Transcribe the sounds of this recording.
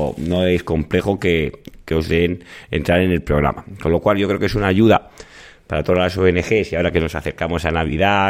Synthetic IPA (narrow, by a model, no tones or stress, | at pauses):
no̞e̞sko̞mple̞xo̞keke̞o̞zðe̞ne̞̰nt̪ɾaɾe̞ne̞lpɾo̞ɣɾa̰mako̞nlo̞kwalʝo̞kɾe̞kes̬unaːʝuða | paɾat̪o̞ðazlaso̞enexe̞siaoɾake̞no̞saθe̞ɾkamo̞sanaβ̞ḭða